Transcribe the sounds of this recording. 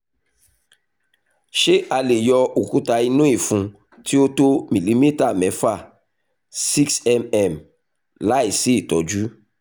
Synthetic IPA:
ʃe˦a˧le˨jɔ˧o˨kũ˦ta˧i˧nũ˦i˦˨fũ˧ | ti˦o˦to˦mĩ˨li˨˦mi˦ta˦˨mɛ̃˨˦fa˦˨ | si˦ksɛ˦mɛ˦˨m | la˦i˨si˦i˦˨tɔ˨d͡ʒu˦

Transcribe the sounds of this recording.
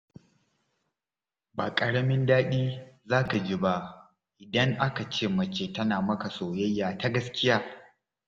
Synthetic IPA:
ba̰ː˨kʼɐ˨ɽɐ˦mɪ˦ndaː˦ɗiː˦zaː˦ka˨d͡ʒi˦ba˦ | ʔɪ˨dɐ˦ŋʔa˦ka˨t͡ʃeː˦˨mɐ˨t͡ʃeː˦˨tɐ˦naː˨mɐ˦ka˨soː˨jɐ˦jːaː˨ta˦ɡɐ˦skʲɪ˦jaː˦

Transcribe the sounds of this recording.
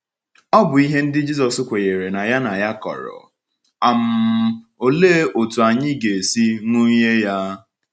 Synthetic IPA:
ɔ˦bʊ˨i˦ɦe˦n̩˦dɪ˦d͡ʒi˦sɔ˨sʊ˦kʷe˨je˨ɾe˨na˨ja˦na˨ja˦kɔ̰˨ɾɔ̰˨ | a˨m̩˨o˨le˦o˨tu˨a˨ɲɪ˦ɡe˨si˦ŋʷu˦ɲe˦ja˦

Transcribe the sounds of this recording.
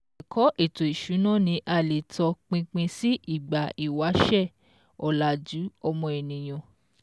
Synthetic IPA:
kʰɔ˨˦ʔe˦˨to˨i˨ʃu˨˦nã˦˨nĩ˧ʔa˧˨le˨tɔ˧k͡pĩ˧k͡pĩ˧si˦ʔi˦˨ɡ͡ba˨i˨wa˨˦ʃɛ˦˨ | ɔ˨la˨d͡ʒu˨˦ɔ˧mɔ̃˧e˨nĩ˨j̃ɔ̃˨

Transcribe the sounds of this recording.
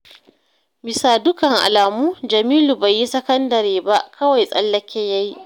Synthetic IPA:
mɪ˨saː˨dʊ˦kɐ˨ŋʔa̰˨laː˨muː˦d͡ʒɐ˨miː˦lu˨ba˨jːi˦sɐ˦kɐ˦ndɐ˨ɾeː˨ba˦ʔkʰɐ˦wa˨jsʼɐ˦lːɐ˦kʲɛ˦ja˦ji˦ʔ

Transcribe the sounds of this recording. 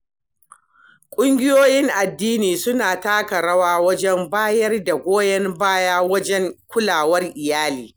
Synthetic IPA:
kʷʼʊ˦ŋɡʲɪ˦joː˦jɪ˦ŋʔa˨dːiː˦niː˨sʊ˦naː˨taː˦kɐ˨ɽɐ˦waː˦wɐ˦d͡ʒɛ˦mbaː˦jɐ˦rda˨ɡʷoː˦jɐ˦mbaː˦jaː˦wɐ˦d͡ʒɛ˦ŋkʷʊ˦laː˨wɐ˦rʔɪ˨jaː˦liː˨

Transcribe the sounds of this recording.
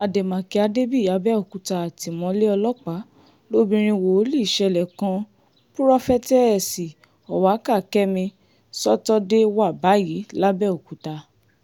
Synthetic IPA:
a˨de˨mã˨ki˧˦a˧de˦bi˦˨ja˨˦bɛ˦o˨ku˨˦ta˧a˨ti˨mɔ̃˧˦le˦ɔ˧lɔ˦k͡pa˨˦ | lo˦bĩ˧ɾ̃ĩ˧wo˨o˨˦li˦˨ʃɛ˨˧˨lɛ˨kã˧ | pu˦ɾɔ˦fɛ˦tɛ˦ɛ˦˨si˨ | ɔ˨wa˨˦ka˦˨kɛ˦mĩ˧ | sɔ˦tɔ˦de˦wa˦˨ba˨˦ji˨˦la˦bɛ˦˨o˨ku˨˦ta˧

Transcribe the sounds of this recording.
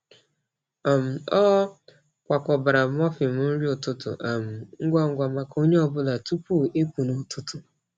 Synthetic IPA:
a˨m̩˨ɔ˦ | kʷa˨kʷɔ˨ba˨ɾa˨m˦ɔ˦fi˨m̩˨˦n̩˦ɾi˦ʊ˨tʊ˦tʊ̰˨ʔa˨m̩˨ŋ̩˦ɡʷa˦ŋ̩˦ɡʷa˨ma˨ko˦ɲe˦ɔ˦bʊ˦la˨tu˦pu˦˨ʔe˦pu˨nu˨tʰʊ˦tʊ˨

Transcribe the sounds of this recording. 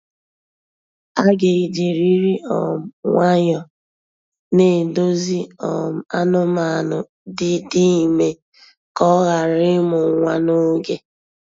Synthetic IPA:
a˦ɡe˨i˨d͡ʒe˨ɾi˦ɾi˦ɔ̰˨m̩˨ŋʷa˦ɲɔ˨ | ne˨do˦zi˦ɔ˨m̩˦a˦nʊ˦ma˨nʊ˨ | di˦˨di˦˨me˨ | kɔ˦ɣa˨ɾɪ˦mʊ˨ŋʷa˦no˦ɡe˦

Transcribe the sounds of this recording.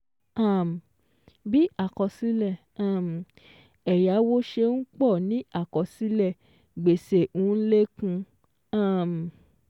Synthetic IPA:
a˦˨m˨ | bi˦a˦˨kɔ˨˧si˦lɛ˦˨ | a˦˨m˨ | ɛ˨ja˨˦wo˦ʃe˧n̩˦k͡pɔ˦˨nĩ˨˦a˦˨kɔ˨si˦lɛ˦˨ | ɡ͡be˨se˨ũ˨˦n̩˦le˦kũ˧ | a˦˨m˨

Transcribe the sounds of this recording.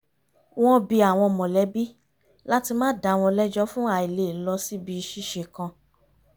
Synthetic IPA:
w̃ɔ̃˦bi˧a˨w̃ɔ̃˧mɔ̃˨lɛ˨˦bi˦ | la˦ti˧mãː˦da˨˦˨w̃ɔ̃˧lɛ˦d͡ʒɔ˦fũ˦a˨i˨le˨lɔ˧si˦bi˧ʃi˦ʃe˨kã˧

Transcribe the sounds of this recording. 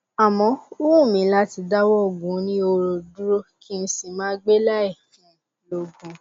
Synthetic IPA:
a˨mɔ̃˨˦u˦wũ˦˨mĩ˨˦la˦ti˧da˦wɔ˦˨ɡũ˨˦nĩ˦o˧ɾo˧du˦ɾo˦ki˦n̩˦si˨mãː˦ɡ͡be˦la˦ɛ˦˨fĩ˨˦˨ĩ˨˦lo˧ɡũ˨˧

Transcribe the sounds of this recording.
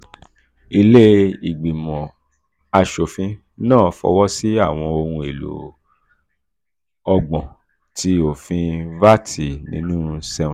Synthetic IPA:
i˧le˦i˨ɡ͡bi˨mɔ̃˨ | a˧ʃo˨fĩ˧ | nãː˦˨˦fɔ̰˧˦wɔ˦si˦a˦˨w̃ɔ̃˧o˧ɾũ˧e˨lo̰˨ | ɔ˧ɡ͡bɔ̃˨ | ti˧o˨fĩ˧va˦tʰi˨nĩ˨˦nũ˦sɛ̃˧˨

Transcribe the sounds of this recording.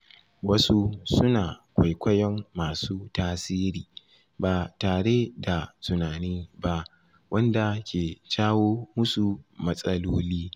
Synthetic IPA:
wɐ˦su˦sʊ˦naː˨kʷa˨jkʷɐ˦jɔ˦mːaː˨suː˦taː˦siː˦ɾiː˨ | baː˨taː˨ɽe˦da˨tʊ˨naː˨niː˦ba˦ | wʔɐ˦nda˨kʲʰeː˨t͡ʃaː˦woː˦mʊ˦su˨mɐ˦sʼɐ˦loː˦liː˦

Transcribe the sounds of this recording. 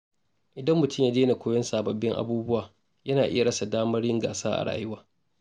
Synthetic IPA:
ʔɪ˨dɐ˦mːʊ˨tʰʊ˦mjaː˦deː˦na˨kʷʰoː˦jɐ˦nsaː˨bɐ˨bːɪ˦ŋʔa̰˦buː˦bʊ˦waː˨ | jɐ˦naː˨ʔɪ˦ja˨ɽɐ˦sa˨daː˦mɐ˦rjɪ˦ŋɡa̰ː˨saː˦ʔa̰˨ɽa̰ː˨˦˨jɪ˦waː˦

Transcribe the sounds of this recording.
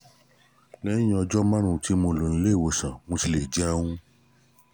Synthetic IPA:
lɛ˦ĩ˦˧ɔ˧d͡ʒɔ˦mã˦ɾ̃ũ˧˨ti˨˦mo˧lo˨ñ̩˦le˦˨wo˨sã˨mõ˧ti˧le˨d͡ʒɛ˦a˧w̃ũ˦

